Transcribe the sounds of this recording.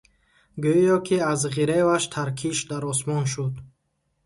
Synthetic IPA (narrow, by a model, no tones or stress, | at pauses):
ɡøjɔkʰiazʁiɾevaʃt̪ʰaɾkʰiʃd̪aɾɔsmɔnʃud̪